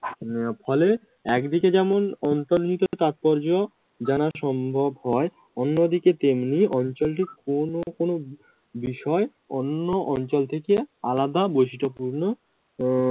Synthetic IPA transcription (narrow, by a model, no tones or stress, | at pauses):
pʰɔle | ɛkd̪iked͡ʑɛmonɔnt̪oɾd͡ʑit̪ot̪at̪̚pɔɾd͡ʑo | d͡ʑanaʃɔmbʱobɦɔe | onːod̪iket̪emniɔnt͡ɕolʈ̬ikonokono | biʃɔe | onːoʔɔnt͡ɕolt̪ʰekealad̪abojʃiʈopuɾno